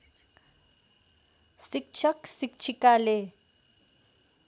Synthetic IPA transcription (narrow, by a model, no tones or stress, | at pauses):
sik̚t͡ʃʰaksikt͡ʃʰikale